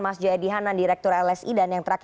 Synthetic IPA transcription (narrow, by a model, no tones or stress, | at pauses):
masd͡ʒoediɦandandiɾɛk̚t̪ʊɾɛlɛsidanjaŋt̪əɾak